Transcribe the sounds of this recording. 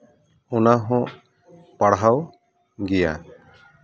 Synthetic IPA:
ɔnaɦɔ̃ʔ | paɽɦaw | ɡɛja̰

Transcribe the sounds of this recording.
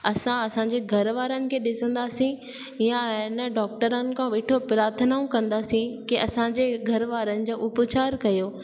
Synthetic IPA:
ɐsãɐsãɲ̆d͡ʑeːɡʱɐɾʋaːɾənɪ̆kʰeːɗɪsə̃nd̪aːsĩ | jãɪnə̆ɖɔːk̚ʈəɾənɪ̆kʰãʋeːʈʰopɾaːɾt̪ʰənaũkɐ̃nd̪aːsĩkiɐsãd͡ʑeɡʱɐɾʋaːɾənɪ̆d͡ʑoːʔʊpt͡ɕaːɾkɐjoː

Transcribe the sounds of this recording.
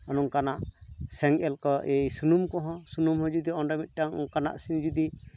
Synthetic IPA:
anɔŋkanaʔsɛŋɛlkɔʔejsunumkɔ̃ɦɔ̃sunumhɔ̃d͡ʒud̪iɔnɖamit̪̚ˀʈaŋŋkana̰ʔsind͡ʒud̪i

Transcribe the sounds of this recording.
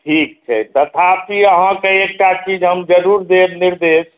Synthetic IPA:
ʈʰik̚t͡ʃʰɛ̰t̪ət̪ʰapiəɦãkeek̚ʈat͡ʃid͡ʒɦəmd͡ʒəɾuɾd̪eɾniɾd̪es

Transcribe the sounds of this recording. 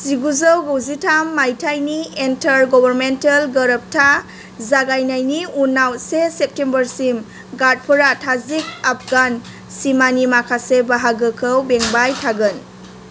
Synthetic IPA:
siɡuzəwɡowzitʰamːajtʰajnientɐɾɡɔbʱəɾmentɐlɡəɾəp̚tʰa | zaɡajnajniunawsesep̚tembəɾsim | ɡat̚pʰɯɾatʰazik̚apʰɡan | simanimakʰasebaɦaɡɯkʰəwbeŋbajtʰaɡɯn

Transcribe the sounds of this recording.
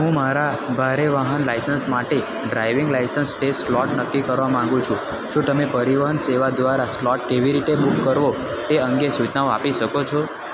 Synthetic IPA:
ɦũmaɾabʱaɾeʋaɦənlajsənsmaʈe | ɖɾajʋɪ̃ŋɡlajsənsʈesʈslɔʈnət̪ʰikəɾʋamãŋɡũt͡ʃʰũ | ʃũt̪əmepəɾiʋaɦənseʋad̪ʋaɾaslɔʈkeʋiɾit̪ebukːəɾʋo | t̪eəŋɡesut͡ʃnaoapiʃəkot͡ʃʰo

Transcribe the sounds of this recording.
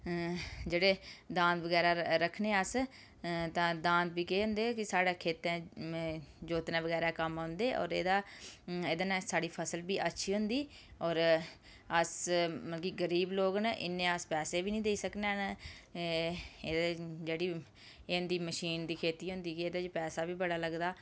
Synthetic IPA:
d͡ʒeːɽeːd̪ãːnt̪ʋəɡɛːɾaːɾəkʰneːəs | t̪ãːd̪ãːnt̪̚biːkeːɦʊ̃nd̪eːkɪsaːɽeːkʰeːt̪ɛ̃ː | d͡ʒoːt̪nãːʋəɡɛːɾaːkəmaʊ̃nd̪eːʔɔ̰ːɾḛːd̪aːeːd̪anãːsaːɽiːpʰəsəlbiːʔətːʃʰiːɦʊ̃nd̪iː | ɔːɾ | əsməkiːɡəɾiːbloːɡnʔɪ̰nːẽːəspɛːseːbiːnĩːd̪eːiːsəkneːn | eːd̪d͡ʒeːɽiː | nd̪iːməʃiːnd̪iːkʰeːt̪iːɦʊ̃nd̪iːkieːd̪aːd͡ʒpɛːsaːbiːbəɽaːləɡd̪aː

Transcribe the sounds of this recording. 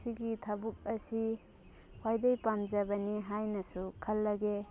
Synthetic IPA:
siɡitʰabuk̚ɐsi | wajdejpamd͡ʒɐbɐniɦajnɐsukʰɐlːɐɡe

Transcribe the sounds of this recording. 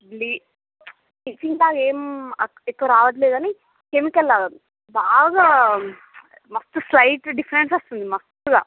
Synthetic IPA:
bliː | it͡ʃiŋkaːɡeːmɐ | ekːoɾaːʋɐt̪̬leːd̪ɐni | kemikɐlːaːɡɐ | baːɡaː | mɐst̪uslɐjʈɖifɐɾensɐst̪und̪imɐst̪uɡa̰ː

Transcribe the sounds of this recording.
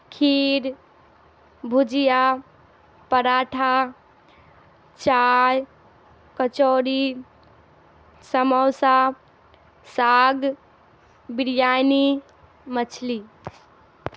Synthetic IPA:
kʰiɾ | bʱud͡ʒija | pəɾaʈʰa | t͡ʃaj | kət͡ʃoɾi | səmɔwsa | saɡ | biɾjani | mət͡ʃʰli

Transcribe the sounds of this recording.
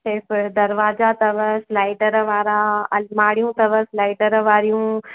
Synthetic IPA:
eːfɪd̪ɐɾʋaːzat̪ɐʋəsɪlaːɪʈəɾəʋaːɾaɐmaːɽijũt̪ɐʋəsɪlaːɪʈəɾəʋaːɾijũː

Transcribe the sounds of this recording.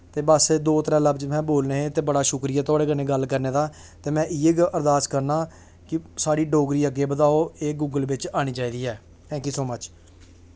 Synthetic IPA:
t̪eːbəsd̪oːt̪əɾɛ̃ːləbd͡ʒmɛ̃ːboːlneːeːt̪eːbəɽaːʃʊkɾɪjɛːt̪ʊaːɽeːɡənẽːɡəlkəɾneːd̪aː | t̪eːmɛ̃ːʔiːeːɡəɾd̪aːskəɾnaː | kɪsaːɽiːɖoːɡɾiːəɡeːbəd̪aːoːeːɡuːɡəlʋɪt͡ʃaːɽ̃ĩːt͡ʃaːiːd̪iːɛː | t̪ʰɛ̃ːk̬iːsoːmət͡ʃ

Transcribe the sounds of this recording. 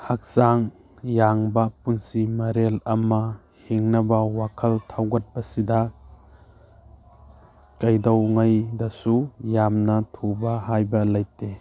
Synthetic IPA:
hak̚saŋ | jaŋbɐpunsimɐɾelɐmɐ | hiŋnɐbɐwakʰɐltʰawɡɐt̚bɐsidɐ | kɐjdɐwŋajdɐsujamnɐtʰubɐhajbɐlɐjte

